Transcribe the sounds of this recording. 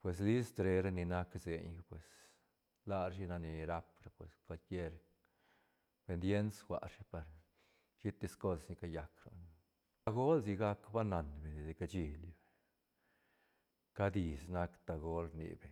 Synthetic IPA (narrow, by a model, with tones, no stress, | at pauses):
pwe˨sli˦st̪ɾe˧ɾa˧˦ni˧na˦kze˨ɲ˧pwe˨s | la˦˧ɾʃ̬i˧na˧ni˧ɾa˧pɾa˧pwe˨ska˧lkje˦ɾ | pe˧nd̪je˦nsxwa̰˨ɾʂi˦pa˨ɾ | t͡ʃi˦t̪ːi˧sko˦ssni˧ka˧ja˨kɾo̰˨n | a˧ɡo˦lzi˧ɡa˦kba˦na˨nbe˨ni˧d̪e˧ka˧t͡ʃi˧ljbe˨ | ka˦d̪i˨sna˦kt̪a˧ɡo˦lnḭ˨be˨